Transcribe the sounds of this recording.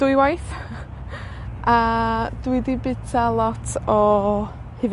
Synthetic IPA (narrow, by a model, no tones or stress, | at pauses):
d̥ʊjwajθ | ad̥widibɪtʰalˠɔtʰɔ | hɨv